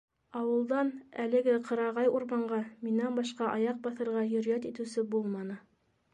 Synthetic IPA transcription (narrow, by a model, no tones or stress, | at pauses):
ɑwɤ̆lˠd̪ɑnælɘ̆ɡɘqʰɤ̆ɾɑʁɑjuɾmɑɴɢɑminænbɑʃqɑʔɑjɑq̚bɑθɤ̆ɾʁɑjɵ̆ɾjæt̪it̪ɘ̆wsɘbulˠmɑnɤ